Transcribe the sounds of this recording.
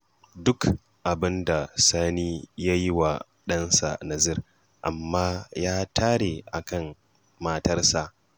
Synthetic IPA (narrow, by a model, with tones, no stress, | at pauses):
dʊ˦k | ʔa˨bɪ˦nda˨saː˦niː˦ja˦ji˦wa˨ | ɗɐ˦nsa̰˨na˨zɪ˦˨r | ʔa̰˨mːaː˦jaː˦tʰaː˦ɽe˨ʔa˨kɐ˦˨m | maː˦tɐ˦rsa˨ʔ